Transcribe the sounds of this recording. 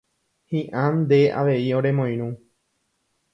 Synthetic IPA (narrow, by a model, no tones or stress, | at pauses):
hĩʔãnd̪e̞ʔa̰ʋe̞ioɾe̞mõj̃ɾ̃ũ